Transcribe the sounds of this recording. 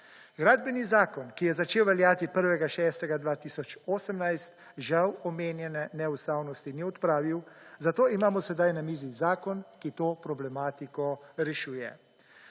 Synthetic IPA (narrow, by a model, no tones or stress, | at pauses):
ɡɾaːd̪bɛnizaːkɔnkijɛzat͡ʃeːwʋɛljaːt̪ipəɾʋɛɡaʃɛːst̪ɛɡad̪ʋaːt̪iːsɔt͡ʃoːsəmnajst̪ | ʒawɔmeːnjɛnɛnɛust̪aːwnɔst̪iniɔt̪pɾaːʋiwzat̪oːimaːmɔsɛd̪ajnamiːzizaːkɔnkit̪oːpɾɔblɛmaːt̪ikɔɾɛʃuːjɛ̰